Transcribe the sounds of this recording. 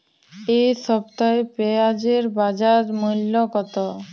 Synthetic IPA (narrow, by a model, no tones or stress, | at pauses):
eʃɔbt̪aepead͡ʑeɾbad͡ʑaɾmulːokɔt̪o